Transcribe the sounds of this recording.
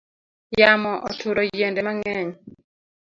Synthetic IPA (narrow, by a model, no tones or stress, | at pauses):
jamɔʔɔtʰuɾɔjendɛmaŋɛɲ